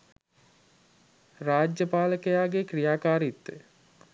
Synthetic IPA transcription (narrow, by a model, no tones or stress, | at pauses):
raːd͡ʒjəpaːləkəjaːɡekrijaːkaːɾit̪ːə